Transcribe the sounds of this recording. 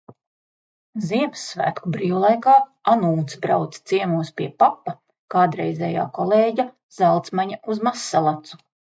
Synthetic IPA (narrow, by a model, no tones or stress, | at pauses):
ziɛmsːvæ̰ːt̪kubɾiːvlˠajkaːanuːt̪sbɾawt̪st̪siɛmuɔspʲiɛpapːa | kaːd̪ɾɛjzɛːja̰ːkɔlˠeːɟʲa | z̥ælˠt̪smaɲauzmasːalˠat̪su̥